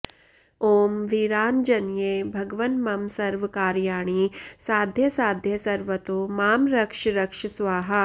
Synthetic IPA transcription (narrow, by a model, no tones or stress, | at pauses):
oːmʋiɾaːnd͡ʒɐnjeːbʱɐɡʋɐnmɐmsɐɾʋɐkaːɾjaːɳiːsaːd̪ʱjɐsaːd̪ʱjɐsɐɾʋɐt̪oːmaːmɾɐkʂɾɐkʂɐsʋaːɦɐ̆